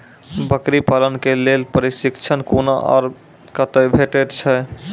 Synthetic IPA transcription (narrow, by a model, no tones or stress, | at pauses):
bəkɾipalənkelelpəɾisikt͡ʃʰənkonaʔɔ̰ɾ | kət̪əbʱeʈet̪t͡ʃʰɛ